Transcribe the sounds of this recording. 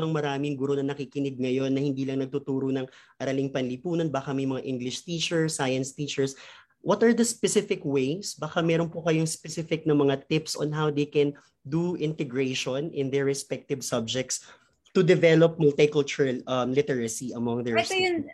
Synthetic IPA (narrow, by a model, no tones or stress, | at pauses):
ɐŋmɐɾaːmɪŋɡʊɾonɐnɐkikɪnɪɡ̪̚ŋɐjo̞nːɐhɪnd̪iːlɐŋnɐɡ̚t̪ʊt̪uːɾonɐŋʔɐɾɐlɪŋpɐnlipuːnɐnbaːkɐmɐjmɐŋaʔɪ̃ŋɡlɪʃt̪iːt͡ʃɛɹsajɐnst̪iːt͡ʃɛɹs | wɐt̪ɐɹd̪ɐspɛsɪfɪkwejsbɐkamɛɾonpokɐjoŋspɛsɪfɪk̚nɐmɐŋat̪ɪpso̰nɦawd̪ejkɛn | d̪uʔɪ̃nt̪ɛɡɹeʃonɪ̃nd̪ɛɹːɛspɛk̚t̪ɪvsɐb̚d͡ʒɛk̚t̪s | t̪ʊd̪ɛvɛlop̚mɐlt̪ɪkɐlt͡ʃʊɹʔɐmlɪt̪ɛɹɐsiʔɐmɔŋd̪ɛs